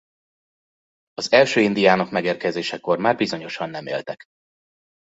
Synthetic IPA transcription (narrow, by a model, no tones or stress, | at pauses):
ɒzɛlʃøːind̪ijaːnokmɛɡeːrkɛzeːʃɛko̞rmaːrbizo̞ɲo̞ʃɒnːɛmḛːlt̪ɛk